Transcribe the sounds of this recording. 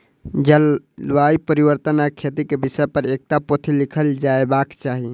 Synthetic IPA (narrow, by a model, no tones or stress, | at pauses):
d͡ʒəl | ʋaipəɾibəɾt̪ənakʰet̪ikebisəpəɾek̚t̪apot̪ʰilikʰəld͡ʒaebakt͡ʃaːɦi